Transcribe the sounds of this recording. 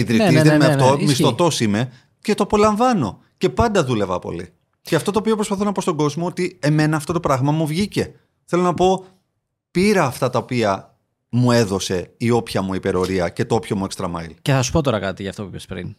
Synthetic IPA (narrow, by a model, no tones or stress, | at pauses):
iðɾiiðemefomist̪o̞t̪o̞sime̞ | ce̞t̪oɐpo̞lɐɱvɐno̞ | ce̞pɐnd̪ɐðule̞vɐpo̞̰lḭ | ceɐft̪o̞t̪oːpio̞pɾospɐθo̞nɐpo̞st̪o̞ɡo̞zmo̞ot̪ie̞me̞nɐːft̪o̞t̪o̞pɾɐɣmɐmuvʝice̞ | θe̞lo̞nɐpo̞ | piɾɐːft̪ɐt̪ɐopiɐ | mue̞ðo̞se̞io̞pçɐmuipe̞ɾo̞ɾiɐce̞t̪oopço̞muekst̪ɾɐmɐ̰ḭlceθɐsu̥po̞t̪o̞ɾɐkɐt̪iʝɐft̪o̞puipespɾḭn